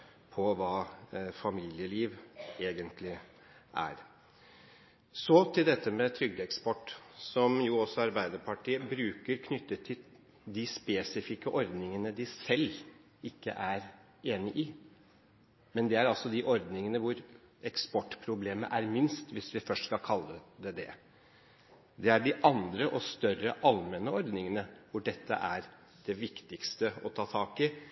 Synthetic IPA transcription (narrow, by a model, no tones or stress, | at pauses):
pʰɔʋɑːfɑmiːljəliːʋeːɡənt̪ʰlɪ | ʔæ̰ɾ | sɔt̪ʰɪld̪ɛt̪ːəmɛt̪ʰɾʏɡd̪əɛkspɔʈːsɔmjʊɔsːɔɑɾbæɪd̪əɾpʰɑʈʰiːəbɾʉːkəɾkʰnʏt̪ːət̪ʰːɪl | d̪ɪspeːsɪfɪkːəʔɔɾd̪nɪŋənəd̪ɪsɛlː | ɪkːə̰ʔæɾ | eːnɪʔɪ | mɛnd̪ɛæɾɑlsɔd̪ɪʔɔɾd̪nɪŋənəʋʊɾ | ɛkspɔʈːpʰɾʊbleːməʔæɾmɪnst̪ʋɪsʋɪfœʂʈskɑlkʰɑlːəd̪ɛd̪ɛ̰ | d̪ɛæɖɪʔɑnd̪ɾəʔɔst̪œrəʔɑlmɛnəɔɾd̪nɪŋənəʋʊɖɛt̪ʰːə̰ʔæɾ | d̪̥ɛʋɪkt̪ɪkst̪əɔt̪ʰɑːt̪ʰɑːkɪ